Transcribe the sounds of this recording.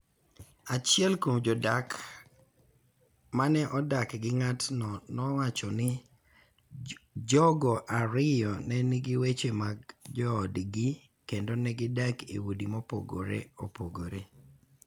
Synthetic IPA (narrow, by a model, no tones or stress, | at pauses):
at͡ʃɪɛlkomd͡ʒɔdak | manɛʔɔdakɡɪŋatnɔnɔwat͡ʃɔnɪ | d͡ʒɔɡɔʔaɾɪjɔnɛnɪɡɪwet͡ʃemaɡd͡ʒɔːdɡi | kendonɛɡɪdakḛwodimɔpo̰ɡo̰ɾḛopoɡoɾe